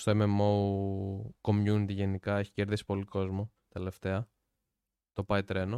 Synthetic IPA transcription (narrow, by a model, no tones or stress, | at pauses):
st̪oememou | ko̞mjunit̪iʝenikɐe̞çi̥ce̞ɾðisi̥po̞liko̞zmo̞ | t̪e̞left̪e̞ɐ | t̪o̞pɐit̪ɾe̞no